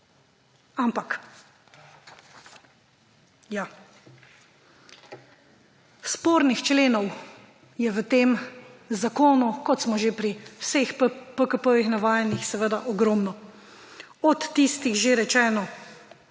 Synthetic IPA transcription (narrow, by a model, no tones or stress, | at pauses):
ampak | ja | spoːɾnixt͡ʃleːnɔw | jɛʋət̪eːmzakoːnukɔt̪smɔʒepɾiwsexppəkəpəʋixnaʋaːjɛnixsɛʋəd̪aʔɔɡɾɔmnɔ | ɔt̪ːist̪ixʒeɾɛt͡ʃɛːnɔ